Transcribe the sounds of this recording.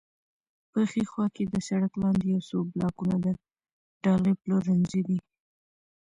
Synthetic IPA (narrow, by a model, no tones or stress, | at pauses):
pəxexwɑked̪əsaɽaklɑnd̪ejawsoblɑkunad̪ə | ɖɑleploɾanzid̪i